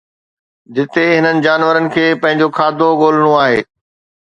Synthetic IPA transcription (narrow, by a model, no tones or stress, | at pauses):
d͡ʑɪt̪eɦɪnənɪ̆d͡ʑaːnʋəɾənɪ̆kʰeːpɐ̃ɦɪ̃ɲd͡ʑokʰaːd̪ʱoɠoːl̤ɪɽ̃õaːɦeː